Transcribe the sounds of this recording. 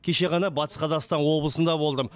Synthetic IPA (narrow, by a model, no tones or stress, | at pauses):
kʲʰe̞ʃe̞ʁɑnɑbɑt̪ə̥sqʰɑzɑqst̪ɑnwo̞blˠəsənd̪ɑbo̞lˠd̪əm